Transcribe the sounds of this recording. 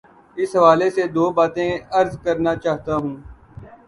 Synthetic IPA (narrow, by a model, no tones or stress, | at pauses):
ɪsɦɐʋaːlesed̪oːbaːt̪ẽəɾzkəɾnaːt͡ʃaːɦt̪aɦũː